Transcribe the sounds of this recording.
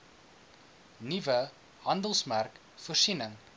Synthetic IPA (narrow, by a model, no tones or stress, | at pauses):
nivə | ɦɐndəlˠsmærk | fərsinəŋ